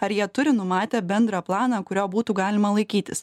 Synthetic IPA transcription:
ɐɾjiɛt̪ʊɾʲɪnʊmɑːt̪ʲeːbʲɛnd̪ɾɐplˠɑːnɑkʊɾʲoːbuːt̪uːɡɑːlʲɪmɐlˠɐɪkʲiːt̪ʲɪs

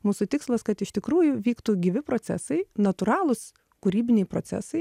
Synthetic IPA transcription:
muːsʊt̪ʲɪkslˠɐskɐt̪ɪʃt̪ʲɪkɾuːjʊʋʲiːkt̪uːɡʲiʋʲɪpɾoːsʲæ̰sɐɪnɐt̪ʊɾɑːlˠʊs | kʊɾʲiːbʲɪnʲɛɪpɾot͡s̪ʲæ̰sɐɪ

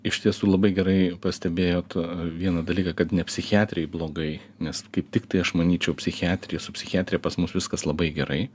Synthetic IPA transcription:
ɪʃʲt̪ʲiɛsuːlˠɐbɐɪɡʲɛɾɐɪpɐsʲt̪ʲɛbʲeːjoːt̪ʋʲiɛnɐd̪ɐlʲiːkɐkɐt̪nʲɛpʲsʲɪxʲɪæːt̪ʲɾʲɪɛɪblˠoːɡɐɪ | nʲɛskɐɪp̚t̪ʲɪkt̪ɐɪɐʃmɐnʲiːt͡ʃʲɛʊpʲsʲɪxʲɪæːt̪ʲɾʲɪjɛsʊpʲsʲɪxʲæːt̪ʲɾʲɪjɛpɐsmʊsʋʲɪskɐslˠɐbɐɪɡʲɛɾʔɐɪ

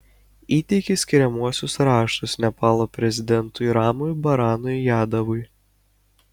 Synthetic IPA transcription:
iːt̪ʲɛɪkʲɪsʲkʲɪɾʲɛmuɔsʲʊsɾɑːʃt̪ʊsnʲɛpɑːlˠoːpʲɾʲɛzʲɪd̪ʲɛnt̪ʊiɾɑːmʊjbɐɾɑːnʊɪjæːd̪ɐʋʊɪ

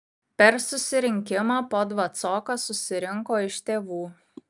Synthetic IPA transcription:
pʲɛɾsʊsʲɪɾʲɪŋʲkʲɪmoːpoːd̪ʋɐt̪soːkɐsʊsʲɪɾʲɪŋkoːɪʃt̪ʲeːʋuː

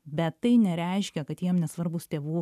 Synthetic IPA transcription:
bʲɛt̪ːɐɪnʲɛɾʲɛɪʃʲkʲɛkɐt̪jiɛmnʲɛsʋɐɾbʊst̪ʲeːʋuː

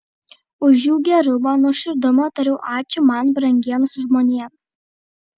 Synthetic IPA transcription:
ʊʒjuːɡʲɛɾʊmɑnuʃʲɪɾd̪ʊmɐt̪ɐɾʲɛʊʔɑːt͡ʃʲʊmɐnbɾɐŋʲɡʲiɛmsʒmoːnʲiɛms

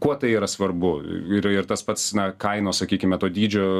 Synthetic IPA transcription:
kuɔt̪ɐɪiːɾɐsʋɐrbʊɪɾɪɾt̪ɐspɐt̪snɐkɐɪnoːssɐkʲiːkʲɪmʲɛt̪oːd̪ʲiːd͡ʒʲoː

